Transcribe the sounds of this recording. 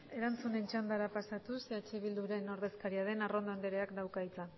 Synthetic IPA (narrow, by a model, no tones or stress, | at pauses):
e̞ɾant͡sune̞nt͡ʃand̪aɾapasat̪uset͡ʃeβild̪uɾe̞no̞ɾð̞e̞skaɾiaðe̞naro̞nd̪ond̪eɾeakd̪awkait͡san